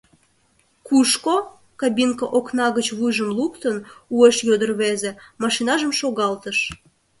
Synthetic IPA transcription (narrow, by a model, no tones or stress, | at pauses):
kuʃko | kɑbinkəʔoknɑɣət͡ɕβujʒəmlukt̪ənueʃjod̪ərβezemɑʃinɑʒəmʃoɣɑlt̪əʃ